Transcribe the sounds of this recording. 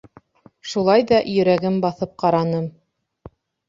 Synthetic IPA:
ʃulˠɑjðɑʔjɵ̆ɾæɡɘmbɑθɤp̚qɑɾɑnɤm

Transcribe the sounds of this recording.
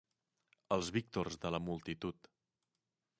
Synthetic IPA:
əlˠzβik̚t̪orzðələmulˠt̪it̪ut̪

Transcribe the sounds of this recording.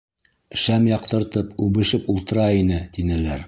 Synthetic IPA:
ʃæmjɑq̚t̪ɤ̆ɾt̪ɤpʉβɘ̆ʃɘpulˠt̪ɤ̆ɾɑinɘt̪inælæɾ

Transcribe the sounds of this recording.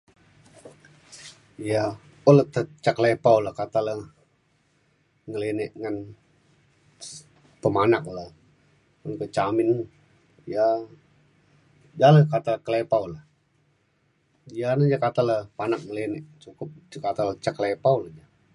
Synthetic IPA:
ija | olət̪ət͡ʃaklepauləhkat̪alə | ŋəleneʔŋan | pəmanaklə | olkət͡ʃamɪn | ja | d͡ʒaləkat̪aləkəlepaulə | ijanəd͡ʒakat̪aləpanak̚ŋəlenɛʔt͡ʃukʊp̚kat̪alət͡ʃakəlepauləd͡ʒa

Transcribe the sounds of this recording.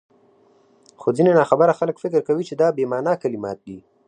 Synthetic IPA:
xozinenɑxabəɾaxaləkfɪkɪɾkawit͡ʃed̪ɑbemɑnakalɪmɑ̰t̪̚d̪i

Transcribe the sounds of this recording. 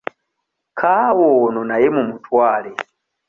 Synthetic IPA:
kʰawɔnɔnajɛmumutʰwaːlɛ

